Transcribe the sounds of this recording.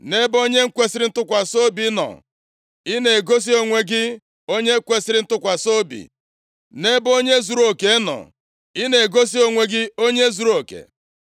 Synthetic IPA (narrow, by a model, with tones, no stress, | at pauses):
ne˦bo˦ɲe˦ŋ̩˦kʷe˦si˦ɾɪ˦n̩˦tʊ˦kʷa˨so˦bi˦nɔ̰˨ | i˦ne˨ɡo˦s̬i˦o˨ŋʷe˦ɡɪ˦ | o˦ɲe˦kʷe˦si˦ɾɪ˦n̩˦tʊ˦kʷa˨so˦bḭ˨ | ne˦bo˦ɲe˦zu˨ɾo˨ke˨˦nɔ̰˨ | i˦ne˨ɡo˦s̬i˦o˨ŋʷe˨ɡɪ˦o˦ɲe˦zu˨ɾo˨kḛ˨